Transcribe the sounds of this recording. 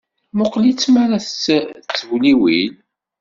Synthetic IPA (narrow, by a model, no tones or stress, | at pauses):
mʊqlit͡sːmaɾæθt͡sːt͡sːəvliwil